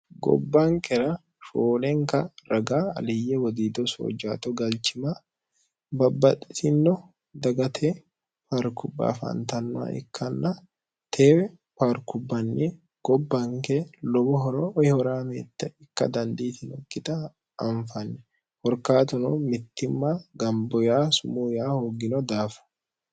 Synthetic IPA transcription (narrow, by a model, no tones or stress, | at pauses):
ɡɔ̰bːaːŋkɛɾɐ | foːlɛŋkɐɾɐɡaːɐ̰lɪjɛwɔd̪iːd̪ɔso̰d͡ʒaːt̪ɔɡɐlt͡ʃɪmaː | bɐbːɐᶑɪsɪnːɔ | d̪ɐɡɐt̪ʰeː | paːɾkʊbːa̰ːfɐ̰nt̪ɐnːʊa̰ːʔɪ̰kʰːɐnːɐ | t̪ʰeːwɛ | paːɾkʊbːɐnːi | ɡ̥ɔbːɐŋkelɔbɔɦɔɾohɪhɔɾaːmḛːt̪ːɐɪkːɐ̰d̪ɐnd̪iːt̪ɪnɔkːɪt̪ɐː | ɱfɐnːɛ | hɔɾkaːt̪ɔnɔmɪt̪ːɪmːaːɡɐmbɔjaːsʊmuːjaːhoːɡɪnɔd̪aːfɐ̥